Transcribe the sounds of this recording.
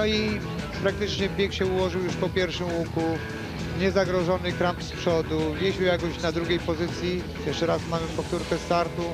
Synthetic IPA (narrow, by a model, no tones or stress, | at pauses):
nɔi | pɾak̚t̪ɘt͡ʂɲɛbʲjɛkɕɛuwɔʐɨwjuʂpɔpʲjɛɾfʂɨmwuku | ɲɛzaɡɾɔʐɔnɘkɾampspʂɔd̪uvʲjɛɕwjakɔɕnad̪ɾuɡʲejpɔzɘt̪sʲji | jɛʂt͡ʂɛɾasmamɘpɔft̪uɾkɛst̪aɾt̪u